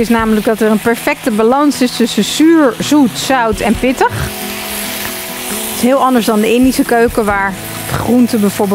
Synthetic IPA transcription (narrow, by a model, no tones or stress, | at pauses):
ɪsnaːmələɡ̚dɑtəɹənpɛɹfɛk̚təbalɑnsɪstɵsəsyːɹzutsœwtɛnpɪtəχ | tɪ̥sɦɪːlˠɑndəɹzdɑndəɪndisəkøɥkəʋaːɹ | dəχruntəbɛjv̥oːɹbɪ